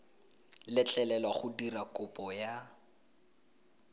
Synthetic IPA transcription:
lɪt͡ɬʼɛlɛlwaχʊdirakʊpɔja

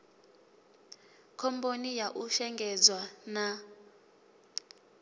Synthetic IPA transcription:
kʰɔmponijaʔuʃɛŋɡɛd͡zwana

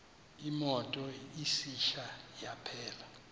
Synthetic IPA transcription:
imɔtʼɔisiʃajapʰɛːla

